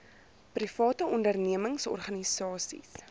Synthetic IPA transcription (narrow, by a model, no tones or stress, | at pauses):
prifɑːtəɔndərniəməŋsɔ̰rχɐnisɑːsḭs